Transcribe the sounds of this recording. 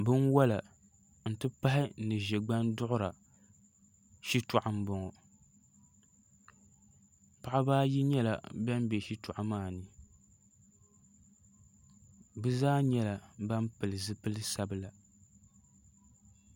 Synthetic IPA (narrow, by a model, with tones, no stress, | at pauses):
bɨ˦nwɔ˦la˨ | n̩˨tɨ˦pa˦ɦɪ˦nɨ˨ʒɛ˨ɡ͡ba˦ndʊ˦ʔʊ˦ɾa˨ | ʃi˦tʊ˨ʔa˨m˦bɔ˦ŋɔ˨ | pa˨ʔa˦baː˦ji˦ɲɛ˦la̰˨bɛ˦m˦bɛ˨ʃi˦tʊ˨ʔa˨maː˦˨nɨ˨ | bɨ˦zaː˦ɲɛ˦la˨ba˦m˦pɨ˨lɨ˨zɨ˦pɨ˦lɨ˦sa˦bɨ˨la˨